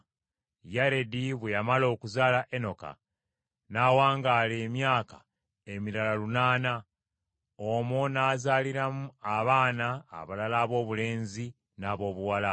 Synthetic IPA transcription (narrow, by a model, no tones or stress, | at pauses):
jaɾe̞diβwejamalo̞ːkuzaːlaʔe̞no̞ka̰ | naːwaːŋɡaːle̞ːmjaːkḁ | emiɾalalunaːna | omonaːzaliɾamuaβaːna̰ːβalalaːβo̞ːβule̞ːnzi | naːβo̞ːβuwala